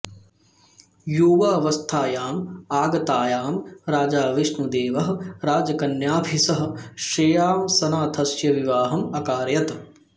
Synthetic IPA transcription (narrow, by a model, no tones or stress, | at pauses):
juːʋaɐʋɐst̪ʰaːjaːmaːɡɐt̪aːjaːmɾaːd͡ʒaːʋiʃnud̪eːʋɐɦɐɾaːd͡ʒɐkɐnjaːbʱisɐɦɐʃeːjaːmsɐnaːt̪ʰɐsjɐʋiʋaːɦɐmɐkaːɾjɐt̪